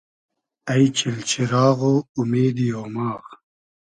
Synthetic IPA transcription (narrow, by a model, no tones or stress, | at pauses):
ɐjt͡ɕilt͡ɕʰiɾaːɣoumeːd̪ijoːmɑːʁ